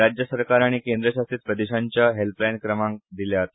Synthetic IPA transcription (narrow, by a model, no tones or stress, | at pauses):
ɾad͡ʑjəsəɾkaɾaɽ̃ikend̪ɾəɕast̪iːt̪̚pɾəd̪eɕaɲt͡ɕjaɦelplankɾəmãŋk̚d̪iljat̪